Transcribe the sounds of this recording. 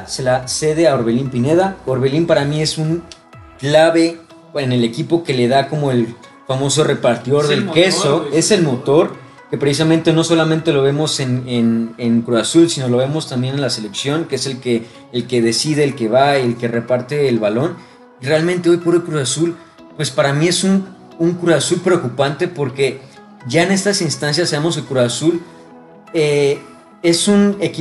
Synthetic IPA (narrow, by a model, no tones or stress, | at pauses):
se̞lase̞ðe̞aoɾβe̞limpine̞ðaoɾβe̞limpaɾamie̞suŋ | klaβe̞ | ene̞le̞kipo̞ke̞le̞ðako̞mo̞e̞l | famo̞so̞re̞paɾt̪iðo̞ɾðe̞lke̞so̞e̞se̞lmo̞t̪o̞ɾ | kepɾesis̬amẽnt̪e̞no̞so̞lamẽnt̪e̞lo̞βe̞mo̞se̞neneŋkɾuasulsino̞lo̞β̞e̞mo̞st̪ambje̞ne̞nlase̞le̞ksjo̞ŋkeese̞lkeː | lke̞ðe̞sið̞e̞ːlke̞βaelke̞re̞paɾt̪e̞ːlβalo̞n | ire̞almẽnt̪e̞o̞jpoɾelkɾuasul | pwe̞spaɾamie̞sun | uŋkɾuasulpɾe̞o̞kupant̪e̞po̞ɾke̞ | ʝaene̞st̪asinst̪ans̬jasːaβemo̞s̬elkɾuasul | e | e̞sunek